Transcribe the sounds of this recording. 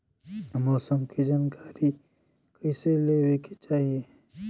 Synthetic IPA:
mɔːsəmkid͡ʒaːnkaːɾi | kəɪseleːwekit͡ʃaːɦie

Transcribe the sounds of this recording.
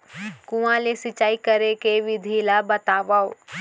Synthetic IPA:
kũãlesɪt͡ʃaːikəɾekeʋɪd̪ʱilabət̪aːʋaːo

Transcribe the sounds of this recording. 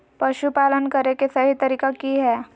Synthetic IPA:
pɐʃupaːlənkɐɾekesɐɦit̪ɐɾiːkakiɦɛː

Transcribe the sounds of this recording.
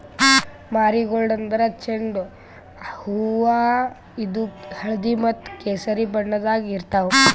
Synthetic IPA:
maːɾiɡoɭɖɐnd̪ɐɾɐt͡ʃeɳɖu | huʋa | id̪uhɐɭɐd̪imɐt̪ːkeːsɐɾibɐɳːɐd̪aːɡiɾt̪aʋu

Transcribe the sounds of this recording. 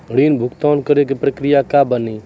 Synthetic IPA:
əɽiːnbʱʊkt̪aːnkəɾek̬epɾəkɾijakabəniː

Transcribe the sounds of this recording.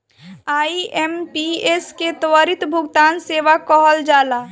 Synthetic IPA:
aːiʔempiesket̪wəɾit̪bʱʊɡt̪aːnseːʋakɔɦəld͡ʒaːla

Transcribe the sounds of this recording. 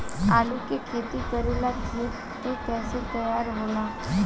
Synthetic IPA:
alukekʰet̪iːkəɾuːlaɡiːt | t̪ek̪ɛset̪əjaɾɦola

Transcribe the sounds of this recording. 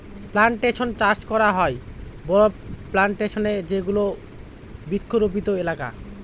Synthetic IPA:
plaɳʈeʃont͡ɕaɾt͡ɕkɔɾaɦɔebɔɾoplaɳʈeʃoned͡ʑeɡulo | bik̪ʰːoɾopit̪oelaka̰

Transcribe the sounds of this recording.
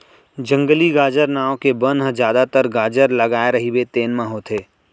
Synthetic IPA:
d͡ʒə̃ŋɡəliɡaːd͡ʒəɾnaːokebənɦəd͡ʒjaːd̪at̪əɾɡaːd͡ʒəɾləɡaːeɾɐɦibet̪eːnmãɦoːt̪ʰeː

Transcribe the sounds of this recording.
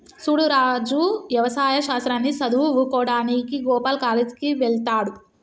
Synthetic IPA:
suːɽuɾaːd͡ʒuʋjɐʋɐsaːjɐʃaːst̪ɾaːnːisɐd̪uʋʋukɔːɽaːnikiɡɔːpaːlkaːled͡ʒkiʋɛɭt̪aːɽu

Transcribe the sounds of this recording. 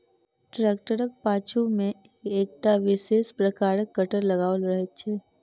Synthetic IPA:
ʈɾeːk̚ʈəɾək̚paːt͡ʃʰumẽ | eːk̚ʈaʋɪʃeːʃpɾɐkaːɾəkːəʈəɾlɐɡaːəlɾɐɦet͡ʃʰeː

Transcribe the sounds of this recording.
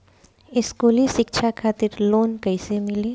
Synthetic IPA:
ɪskuːliʃɪkʃʰakʰaːt̪ɪɾloːnkɐɪsemɪleː

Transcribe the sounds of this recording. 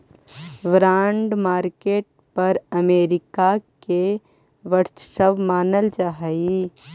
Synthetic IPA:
ʋɾãːɳɖmaːɾkeːʈ̚pɐɾəmeːɾɪkake | ʋəɾt͡ʃʃəʋmaːnəld͡ʒaɦəi

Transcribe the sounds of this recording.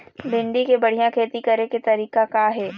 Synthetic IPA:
bɪ̃ɳɖikebɐɽ̤ijãkʰeːt̪ikɐɾeket̪ɐɾiːkakaɦɛː

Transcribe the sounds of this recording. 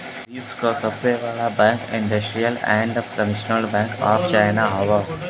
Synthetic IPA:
iskosɐbseʋɛɽabɛ̃ːŋkɪ̃ɳɖəsʈɾijəlɛ̰̃ːɳɖəmɪʃənəlbɛ̃ːŋka̰ːpt͡ʃaːɪnaɦɔʋa

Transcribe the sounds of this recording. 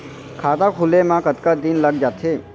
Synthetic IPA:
kʰaːt̪akʰulemãkət̪kad̪inləɡ̚d͡ʒaːt̪ʰe

